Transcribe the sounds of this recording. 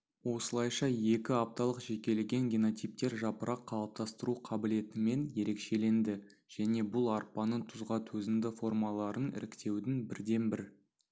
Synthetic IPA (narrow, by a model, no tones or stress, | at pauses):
wo̞səlˠɑjʃɑje̞kʲɪap̚t̪ɑlˠəqʒe̞kʲe̞leɡʲe̞ŋɡʲino̞t̪sijp̚t̪e̞ɾʒɑpəɾʔɑqʰːɑlˠəp̚t̪ɑst̪əɾuqʰɑbɪle̞t̪ɪme̞nje̞ɾe̞kʃe̞le̞nd̪ɪ | ʒ̥æne̞bʊlˠɑɾpɑnət̪ʰʊzʁɑt̪ʰɵzɪnd̪ɪfo̞rmɑlˠɑɾənɪ̰ɾɪkt̪e̞wd̪ɪnbɪɾd̪e̞nbɪɾ